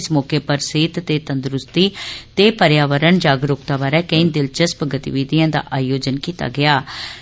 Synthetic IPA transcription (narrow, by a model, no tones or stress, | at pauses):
smɔːkeːpəɾseːt̪t̪eːt̪ənd̪ɾʊst̪iːt̪eːpəɾjaːʋəɾəɳd͡ʒaːɡɾoːkt̪aːbaːɾɛːkəĩnd̪ɪlt͡ʃəspəɡət̪ḭʋiːd̪ijãːd̪a̰ːʔaːjoːd͡ʒənkiːt̪a̰ːɡɪaː